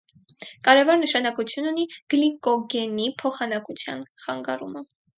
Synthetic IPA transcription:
kɑɾɛvɔɾnəʃɑnɑkut͡sʰjununiɡ̥likɔɡɛnipʰɔχɑnɑkut͡sʰjɑ̰nχɑ̰ŋɡɑ̰rṵmə

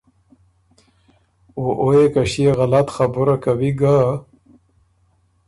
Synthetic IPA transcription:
oʔojekaɕijeɣalat̪χabuɾakawiɡa

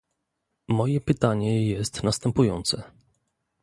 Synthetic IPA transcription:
mɔjɛpɘt̪aɲɛjɛst̪nast̪ɛmpujɔnt̪sɛ

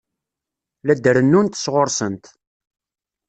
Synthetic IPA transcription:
læd̪əɾənːunt̪sʁoɾsənt̪

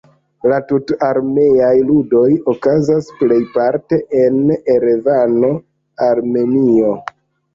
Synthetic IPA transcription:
latutaɾme̞ajludo̞jokazasple̞jpaɾte̞ʔeneɾevano̞ | aɾme̞nio̞

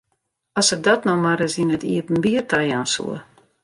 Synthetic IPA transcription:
asədɔtnɔmaɾəzinətiəpn̩biərtajaːnsṵə

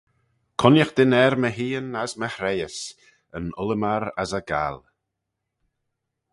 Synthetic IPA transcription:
kʰɔnjəxd̪̥ɪnɛɾməɦiːənazməhɾɛjəs | ənʊlˠəmaɾa̰zaɡa̰l

